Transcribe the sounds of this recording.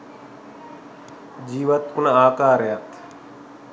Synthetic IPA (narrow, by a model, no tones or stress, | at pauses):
d͡ʒiːʋət̪kunaːkaːɾejat̪ʰ